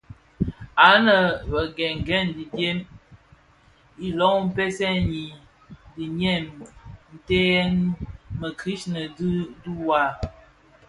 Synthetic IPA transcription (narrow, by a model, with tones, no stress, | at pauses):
a˨˦nə˨bə˨ɡɛ˨ŋ˨ɡɛ˦˨ndi˨dje˦m | i˦lɔ˦ŋ˦m̩˦pɛ˦sɛ˦ɲi˨ | di˨ɲɛ˦˨mn̩˨te˦nmə˨ki˦ʃnə˨ddu˦wa˦